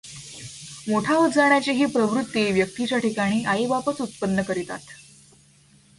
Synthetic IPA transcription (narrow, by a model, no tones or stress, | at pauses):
moʈʰaud͡zaɳjat͡ɕeɦiːpɾəʋɾut̪ːiʋjək̚t̪it͡ɕjaʈikaɽ̃iːʔaibapət͡sut̪̚pənːəkəɾit̪a̰t̪